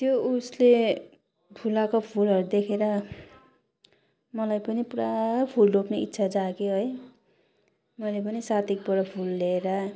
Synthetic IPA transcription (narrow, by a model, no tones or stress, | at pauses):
t̪jousle | bʰʱulakopʰulɦʌɾud̪ekʰeɾʌ | mʌlajpʌnipuɾapʰuldʱopneitːsʰad͡zakeɦʌj | mʌlep̬ʌnisat̪ik̚pʌɽʌpʰulːeɾʌ